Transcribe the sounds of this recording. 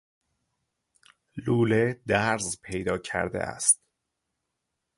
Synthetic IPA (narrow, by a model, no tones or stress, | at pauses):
luːled̪æɾzpʰe̞jd̪ɒːcʰæ̰ɾd̪ḛʔæ̰st̪